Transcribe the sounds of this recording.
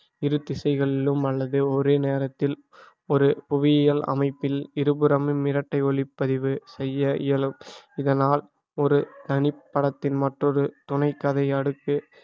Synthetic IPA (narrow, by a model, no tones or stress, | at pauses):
ɪɾɯt̪ːɪsɐɪɣɐɭɪlɯmɐlːɐðɯɔɾeːneːɾɐt̪ːɪl | ɔɾɯpʊʋɪjjɐlɐ̰mɐɪpːɪlɪɾɯbɯɾɐmɯmɪɾɐʈːɐɪɔlɪpːɐðɪʋɯsɛjːɐʔɪjɐlɯmɪðɐnaːl | ɔɾɯt̪ɐnɪpːɐɽɐt̪ːɪnmɐʈrɔɾɯt̪ʊnɐɪkːɐðɐɪɐɽɯkːɯ